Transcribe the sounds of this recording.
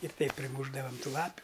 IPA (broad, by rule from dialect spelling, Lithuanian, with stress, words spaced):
ɪr ˈtɐɪp pʲrʲɪˈmuːʒdɐʋɐm ˈtuː ˈlˠɑːpʲʊ